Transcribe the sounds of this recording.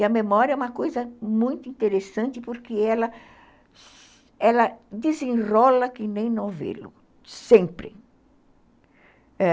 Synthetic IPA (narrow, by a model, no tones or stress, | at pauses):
ɪɐmemɔɾjɐɛũmɐkojzɐmũj̃t̪ʊĩnt̪eɾesɐ̃nt͡ʃ̪ɪpoɾkɪɛlɐ | ɛlɐd̪izĩrɔlɐkɪnẽj̃nõw̃vḛlʊ̰ | sẽpɾɪ̰ | ɛ